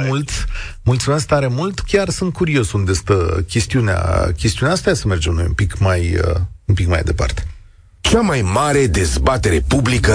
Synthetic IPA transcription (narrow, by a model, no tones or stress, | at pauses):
ult̪mult̪sume̞s̬k̚t̪aɾe̞mult̪kʲarsɨnt̪̚kuɾio̞sund̪ast̪əkʲe̞st̪iunea̰kʲest̪iuneaast̪ajasəme̞rd͡ʒemno̞jṵmpikmajə̰umpikma̰jd̪e̞pa̰rt̪e̞̥ | t͡ʃamajmaɾe̞d̪e̞zbat̪e̞ɾe̞publikə